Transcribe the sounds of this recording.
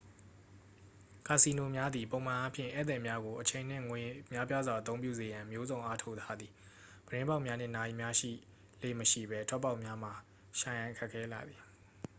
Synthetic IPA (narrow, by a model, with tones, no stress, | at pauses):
ka˨si˨no˨mja˦d̪ði˨põ˨ʊ̃m̥ã˨ʔa˦pʰjɪ̰̃˦˨ʔɛ˦˨t̪ɛ̃˨mja˦ɡo˨ʔət͡ɕʰẽ˨n̥ɪ̰̃˦˨ŋwe˨mja˦pja˦zwa˨ət̪õ˦ʊ̃mpjṵ˦˨ze˨jã˨mjo˦zõ˨ʊ̃ʔa˦tʰo˦ʊʔt̪ʰa˦d̪ði˨ | b̥əɾɪ̃˦mba˦ʊʔmja˦n̥ɪ̰̃˦˨na˨i˨mja˦ʃḭ˦˨ | lḛ˦˨məʃḭ˦˨bɛ˦tʰwɛ˦pːa˦ʊʔmja˦m̥a˨ | ʃã˨jã˨ɪ̃kʰɛ˦˨kʰːɛ˦la̰˨d̪ði˨